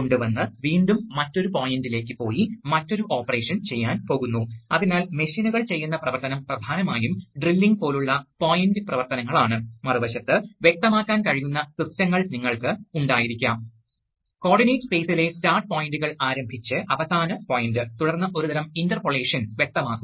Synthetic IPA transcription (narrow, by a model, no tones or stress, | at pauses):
koɳɖuʋɐnːɨʋiːɳɖumːɐtːo̞ɾupoːjindile̞ːkːɨpo̞ːjimɐtːo̞ɾuʔo̞ːpːɐre̞ːʂɐnt͡ɕe̞jːaːnpo̞ːɣunːuɐðinaːlme̞ɕinuɣɐɭt͡ɕejːunːɐprɐʋɐrt̪ɐnɐmprɐd̪ʱaːnɐmaːjumɖrilːiŋɡ̚po̞ːluɭːɐpoːjindɨprɐʋɐrt̪ɐnɐŋːɐɭaːɳɨmɐruʋɐɕɐt̪ːɨʋje̞k̚t̪ɐmaːkːaːnkɐɻijunːɐsistɐŋːɐɭniŋːɐɭkɨuɳɖaːjiɾikʲːaːm | ko̞ːrɖinejʈspe̞ːsile̞staːrʈ̚poːjinduɣɐɭaːɾɐmbʱit͡ɕːɨʔɐʋɐsaːnɐpoːjindɨt̪uɽɐrnːɐʔo̞ɾud̪ɐɾɐmindɐrpoɭe̞ːʂɐnʋjek̚t̪ɐmaːkːum